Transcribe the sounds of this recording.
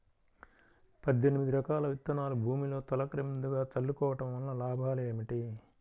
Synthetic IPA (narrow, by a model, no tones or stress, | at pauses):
pɐd̪ʱːenimid̪iɾɐkaːlɐʋit̪ːɐnaːlubʱuːmilo̞ːt̪ɐlɐkɾɐmind̪uɡaːt̪ɐlːukɔːʋɐʈɐmʋɐlːɐlaːbʱaːleːmiʈi